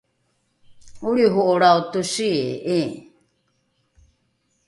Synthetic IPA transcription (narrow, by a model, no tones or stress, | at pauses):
uɾiɦoʔoɾaotusiḛe